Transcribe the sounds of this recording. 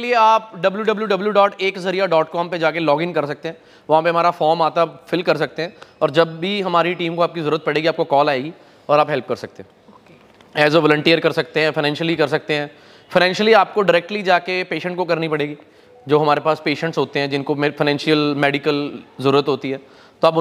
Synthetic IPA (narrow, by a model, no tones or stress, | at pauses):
lieaːpɖɐbljuɖɐbljuɖɐbljuɖɔːʈeːkzɐɾijaɖɔːʈkɔːmped͡ʒaːkelɔːɡɪ̃ŋkɐɾs̬ɐk̚t̪ẽɦɛ̃ː | ʋɐɦãpeɦɐ̃maːɾafɔːɾmaːt̪afɪlkɐɾs̬ɐk̚t̪eɦɛ̃ɔːɾd͡ʒɐbːiɦɐmaːɾiʈiːmkoaːp̚kizɐɾuːɾət̪pɐɽeːɡiaːp̚kokɔːlaːeɡi | ɔːɾaːpɦɛlp̚kɐɾsɐk̚t̪ẽɦɛ̃ | ɛːzoʋɔːlə̃ɳʈiːəɾkɐɾsɐk̚t̪eɦɛ̃fɪnɛ̃ːnʃəlikɐɾs̬ɐk̚t̪eɦɛ̃ː | fɐɪnɛ̃ːnʃəliaːp̚koɖɪɾɛːk̚ʈlid͡ʒaːkepeːʃə̃ɳʈ̚kokɐɾnipɐɽeːɡiː | d͡ʒoːɦɐmaːɾepaːspeːʃə̃ɳʈsɦoːt̪eɦɛ̃d͡ʒɪnkofɪnɛ̃ːnʃijəlmɛːɖɪkəlzɐɾuːɾət̪ɦoːt̪iɦɛː | t̪oɐːp